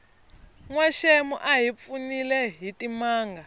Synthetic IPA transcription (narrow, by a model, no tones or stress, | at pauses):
ŋwaʃemuʔaɦip̪funilɛɦitimaːŋɡa